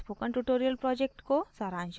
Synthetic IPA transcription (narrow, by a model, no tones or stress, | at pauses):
pukɐɳʈuʈoɾijɐlpɾɔd͡ʒek̚ʈkosaɾãnt͡ʃ